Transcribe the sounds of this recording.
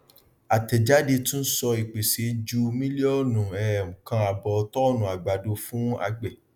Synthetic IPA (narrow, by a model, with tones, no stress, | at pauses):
a˨tɛ˨d͡ʒa˨˦de˧tũ˦n̩˦sɔ˧i˨k͡pe˨se˨˦d͡ʒu˧mĩ˦li˦ɔ˦˨nũ˨ɛ̃˨kã˧a˧bɔ˨˧tɔ˦˨nũ˨a˨ɡ͡ba˨do˧fũ˦a̰˧ɡ͡bɛ˨